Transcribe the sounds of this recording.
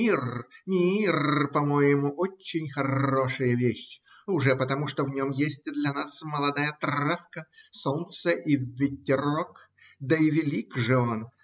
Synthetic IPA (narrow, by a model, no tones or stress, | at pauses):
irmʲirpɐmo̞jɪmʊʔot͡ɕːɪnʲxɐro̞ʂɨjəvʲeɕːɪ | ʊʐɛpət̪ɐmuʂt̪ovnʲo̞mjesʲtʲɪd̪lʲɐnasməlˠɐd̪ajət̪afkəsont̪səʔivʲɪtʲːɪrok | d̪əɪvʲɪlʲikʐɨon